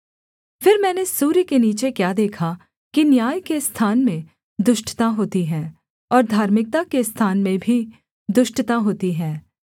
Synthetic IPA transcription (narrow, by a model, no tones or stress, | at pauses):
fɪɾmɛ̃ːnesuːɾkeniːt͡ʃekjaːd̪eːkʰa | kinjaːjkest̪ʰaːnmẽ | d̪ʊʃʈt̪aɦoːt̪iɦɛ̃ː | ɔːɾd̪ʱaːɾmɪk̚t̪akest̪ʰaːnmẽbʱi | d̪ʊʃʈt̪aɦoːt̪iɦɛ̃ː